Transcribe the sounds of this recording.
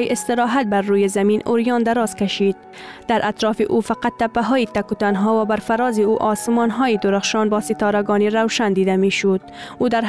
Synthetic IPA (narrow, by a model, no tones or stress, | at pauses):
iʔɪst̪ɪɾɒɦat̪̚baɾːujezamiːnʊɾjɒnd̪aɾɒːz̥kaʃid̪̚ | d̪̥aɾʔat̪ɾɒːfḭʔufaqat̪ːapːaɦɔjit̪akut̪anɦɔwabaɾfaɾɒːziuʔɒsɪmɒnɦɒːjid̪ʊɾaχʃɑːnbɒːsɪt̪ɒːɾaɡɒːniɾawʃand̪iːd̪ameːʃʊd̪ | ud̪aɾ